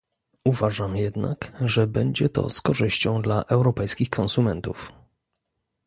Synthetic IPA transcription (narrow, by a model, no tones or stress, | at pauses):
uvaʐamjɛd̪na̰kʐɛbɛɲd͡ʑɛt̪ɔ̰skɔʐɘɕt͡ɕɔ̃w̃d̪laʔɛwɾɔpɛjskʲixkʰɔnsumɛnt̪uf